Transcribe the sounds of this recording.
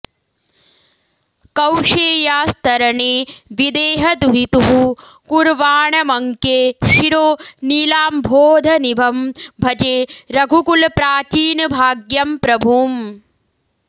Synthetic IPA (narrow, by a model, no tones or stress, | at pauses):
kɐwʂeːjaːst̪ɐɾɐɳeːʋid̪eːɦɐd̪uɦit̪uɦu | kuɾʋaːɳɐmɐŋkeːʃiɽoːniːlaːmbʱoːd̪ʱɐnibʱɐmbʱɐd͡ʒeːɾɐɡʱukulpɾaːt͡ʃiːnɐbʱaːɡjɐmpɾɐbʱuːm